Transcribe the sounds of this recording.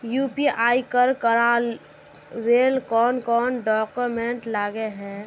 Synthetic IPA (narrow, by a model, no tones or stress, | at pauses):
juːpiʔaːikəɾkəɾaːl | ɾeːlkɔːnkɔːnɖɔːkʊmẽɳʈlaːɡeɦɛ̃ː